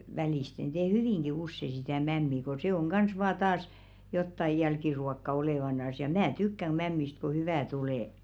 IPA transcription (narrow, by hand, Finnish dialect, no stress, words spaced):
ʋæliˑsten teː hyʋiˑŋɡ̊i usːe sitæˑ mæmːi ko se oŋ ɡ̊ɑns ʋɑː tɑːs jotːɑj̆ jælkiruokːɑ oleˑʋɑnɑs jɑ mæ tykːæŋ ɡ̊ mæmːist ko hyʋæˑ tuleˑ